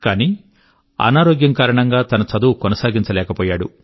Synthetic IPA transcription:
kaːniː | ɐ̰naːɾoːɡjɐŋkaːɾɐɳɐŋɡaːt̪ɐnɐt͡ʃɐd̪uwkɔnɐsaːɡiɲt͡ʃɐlɛːkɐpɔːjaːɽṵ

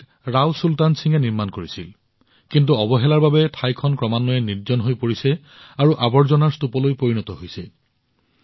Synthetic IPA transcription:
ɹawsultansiŋɛniɹmankoɹisil | kint̬uɔbɔɦɛlaɹbabɛtʰajkʰɔnkɹɔmanːɔɛniɹzɔnɦojpoɹisɛ | aɹuʔabɔɹzɔnaɹstupɔlojpoɹinɔtɔɦojsɛ

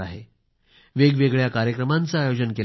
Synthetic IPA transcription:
aɦe | ʋeɡʋeɡɭjakaɾjəkɾəmãnt͡saːjod͡ʑənkel

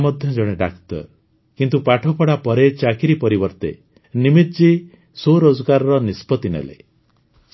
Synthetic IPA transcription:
mɔd̪ʱjɔd͡ʒɔɽ̃eɖa̰kt̪ɔ̰ɾ | kint̪upaʈʰɔpɔɽapɔɾet͡ʃakʰiɾipɔɾibɔɾt̪ḛ | nimit̪d͡ʒi | soɾod͡ʒɔɡaɾɔɾɔnispɔt̪inḛlḛ | s

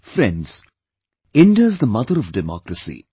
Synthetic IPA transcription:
fɾɛ̃ɳɖz̥ | ɪ̃ɳɖiazd̪əmʌd̪əɾɔʋɖɛmɔ̰ːkɾəsḭ

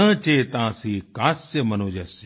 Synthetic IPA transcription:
ət͡ʃeːt̪ãːsiːkaːsjɐmɐnoːd͡ʒɐs

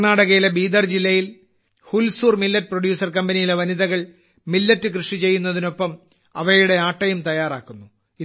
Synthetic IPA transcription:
naːɽɐɣɐjilebiːd̪ɐrd͡ʑilːɐjil | hulsuːrmilːɐt̚ːproɽjuːsɐrkɐmbɐnijileʋɐniðɐɣɐɭ | milːɐtːɨkrɨʂit͡ɕe̞jːunːɐðino̞pːɐm | ɐʋɐjuɽe̞aːʈːɐjumt̪ɐjaːraːkːunːu | i

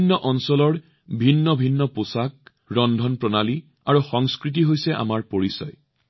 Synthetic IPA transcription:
nːɔʔɔnsɔlɔɹ | bʱinːɔbʱinːɔposak̚ | ɹɔndʱɔnpɹɔnali | aɹuxɔŋskɹit̬iɦojsɛʔa̰maɹpoɹisɔ̰j

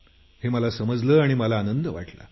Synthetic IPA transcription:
heməlasəməd͡zləːaɽ̃iməlaːnənd̪əʋa̰ʈlə̰ː

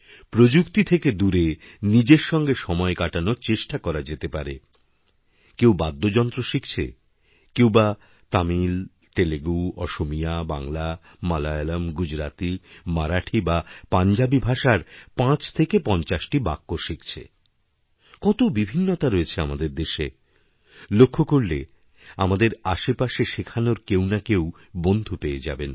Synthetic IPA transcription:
pɾod͡ʑukt̪it̪ʰeked̪uɾe | nid͡ʑeɾʃɔŋɡeʃɔmɔekaʈanoɾt͡ɕeʃʈakɔɾad͡ʑet̪epaɾe | kewbad̪ːod͡ʑɔnt̪ɾoʃikt͡ɕʰḛ | kewba | t̪amil | t̪eleɡuwɔ̰ʃomijabaŋla | malajalamɡud͡ʑɾat̪imaɾaʈʰibapand͡ʑabibʱaʃaɾpãt͡ɕt̪ʰekepɔnt͡ɕaʃʈibakːoʃikʰt͡ɕʰḛ | kɔt̪obibʱinːot̪aɾoet͡ɕʰeamad̪eɾd̪eʃe | lokʰːokoɾle | amad̪eɾaʃepaʃeʃekʰanoɾkewnakew | bond̪ʱupeed͡ʑa̰ben

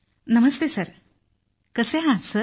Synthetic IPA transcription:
nɐməst̪esɐɾ | kəseɦãsə

